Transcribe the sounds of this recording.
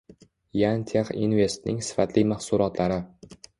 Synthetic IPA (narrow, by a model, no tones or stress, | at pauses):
jant̪ʰeqḭnve̞st̪nɪ̰ŋsɪ̥fat̪ʰlɪmahsʊɾɒt̪laɾɪ